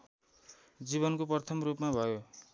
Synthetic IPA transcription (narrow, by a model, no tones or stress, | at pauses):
d͡ziβʌnkopʌrt̪ʰʌmrupmabʱʌjo